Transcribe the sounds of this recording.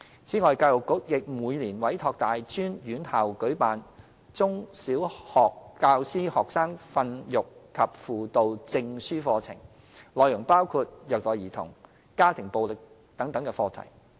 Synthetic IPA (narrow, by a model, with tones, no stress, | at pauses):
t͡sʰiː˨˥ŋɔː˨jkaː˧wjʊ˨˩kːʊ˨˥k̚jɪ˨k̚muː˨˧jniː˨˩nwɐ˨˥jt̪ʰɔː˧k̚t̪aː˨jt͡ʃyː˥njyː˨˥nhaː˨wkɵ˨˥ɥpaː˨n | t͡sʊ˥ŋsiː˨˥whɔː˨kːaː˧wsiː˥hɔː˨k̚saː˥ŋfɐ˧njʊ˨˩kkʰːɐ˨p̚fuː˨t̪o˨wt͡sɪ˧ŋsyː˥fɔː˧t͡sʰɪ̰˨˩ŋ | lɔː˨˧jʊ˨˩ŋpaː˥wkʰuː˧t̚jœː˨k̚t̪ɔː˨˧jiː˨˩t̪ʰʊ̰˨˩ŋ | kaː˥t̪ʰɪ˨˩ŋpo˨wlɪ˨k̚ | t̪ɐ˨˥ŋt̪ɐ˨˥ŋkɛː˧fɔː˧t̪ʰɐ̰˨˩j